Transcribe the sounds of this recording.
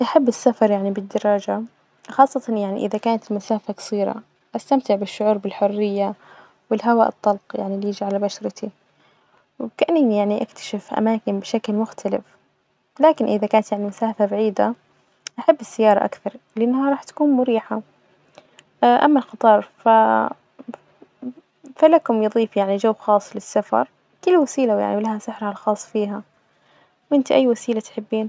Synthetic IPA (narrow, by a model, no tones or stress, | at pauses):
ʔaħabːɪsːafɑɾˤjaʕnibɪd̪ːɑɾˤɑːd͡ʒa | xɑːsˤːɑt̪ɑnjaʕnḭʔɪ̰ðakaːnat̪ɪlmʊsaːfakɑ̥sˤiːɾa̰ | ʔast̪amt̪ɪʕbɪʃːʊʕuːɾbɪlħʊrːɪjːa | wɪlɦawa̰ːʔɨt̪ˤːɑlqja̰ʕniliːd͡ʒʕalabaʃɾɪt̪ʰi | wkaʔanːnjaʕniʔakt̪ʰḁʃɪfʔa̰maːkɪnbɪʃaklmʊxt̪ʰalɪ̰f | laːkɪnʔɪðakaːnat̪jaʕnimʊsaːfabaʕiːd̪a | ʔaħabːɪsːajːɑːɾˤɑʔa̰kθɑɾˤ | lɪʔanːhaɾˤɑːħt̪ḁkuːnmʊɾiːħa | ʔa̰mːalxɑt̪ˤɑːɾˤfa | falakʊmjɨðˤiːfjaʕnid͡ʒawːxɑːsˤːlɪsːafɑ̰ɾˤ | kɪlːwasiːlawja̰ʕniwlahasɪħɾhalxɑːsˤːfiːɦa | wʔɪnt̪iʔajːwasiːlat̪ħɪbːiːn